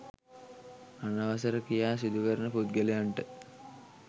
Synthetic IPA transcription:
anaʋɐs̬ɐɾəkijaːs̬id̪ʱukəɾənəput̪̚ɡelejaɳʈə

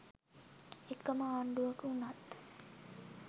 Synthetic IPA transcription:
ekːəməaːɳɖuʋakəunat̪ː

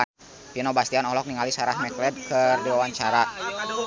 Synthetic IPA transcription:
pinɔbast̪ianɔlɔk̚niŋalisaɾahmɛklɛd̪̚kərdiwawaɲt͡ʃaɾa

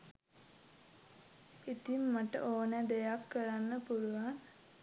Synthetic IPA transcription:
it̪imːaʈə̰ʔoːnəd̪ejakːəɾanːəpuluʋaŋ

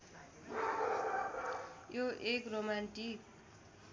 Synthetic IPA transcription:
joʔekromanʈik̚

